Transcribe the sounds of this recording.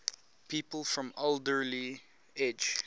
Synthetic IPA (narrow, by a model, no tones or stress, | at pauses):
piːpəlˠfɹɔ̃moldəɹli | ɛd͡ʒ